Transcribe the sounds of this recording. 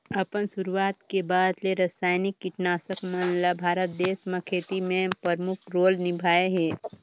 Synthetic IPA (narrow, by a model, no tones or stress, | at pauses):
ɐpənsʊɾuwaːt̪kebaːd̪leɾəsaːjnɪkːɪʈnaːsəkmənlabʱaːɾət̪̚d̪eːsmə̃kʰeːt̪imẽpəɾmʊkʰɾoːlnɪbʱaːeɦɛː